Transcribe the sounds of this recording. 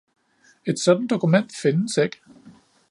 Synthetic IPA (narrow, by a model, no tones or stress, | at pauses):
e̝d̥sɒ̽d̥n̩d̥o̝kʰumen̰d̥fe̝nəseɡ̥